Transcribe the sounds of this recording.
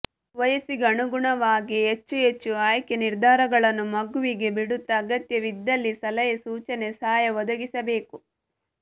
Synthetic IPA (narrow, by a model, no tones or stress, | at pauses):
ʋɐjɐsiɡɐɳuɡuɳɐʋaːɡiɦet͡ʃːuɦet͡ʃːuaːjkeniɾd̪ʱaːɾɐɡɐɭɐnːumɐɡuʋiɡe̞biɽut̪ːɐːɡɐt̪jɐʋid̪ːɐlːisɐlɐjɐsuːt͡ʃɐne̞saːjɐʋɔd̪ɐɡisɐbe̞ːku